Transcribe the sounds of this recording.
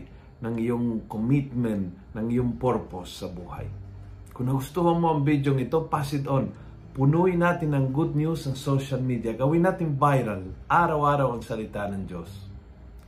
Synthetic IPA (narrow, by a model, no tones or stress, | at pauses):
nɐŋɪjoŋkomɪt̪̚mɛnt̪ | nɐŋɪjoŋpoɾposːɐbuːha̰j | kʊnːɐɡʊst̪uhanmoʔɐŋbid̪joŋɪt̪opasɪd̪on | pʊnuɪnaːt̪ɪnɐŋɡʊd̪̚njusɐŋsoʃalmid̪jaɡɐwɪnaːt̪ɪŋvajɾalʔaːɾawʔaːɾawɐŋsɐlɪt̪anɐŋd͡ʒos